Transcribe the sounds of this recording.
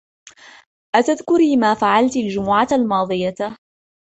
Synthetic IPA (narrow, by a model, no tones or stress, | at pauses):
ʔat̪aðkʊɾiːmaːfaʕalt̪ald͡ʒʊmʊʕalmɑːd̪ˤɨja